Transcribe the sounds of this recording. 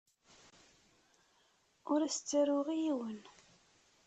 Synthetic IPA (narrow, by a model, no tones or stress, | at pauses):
ʊɾæst͡sːəɾʊʁijiwən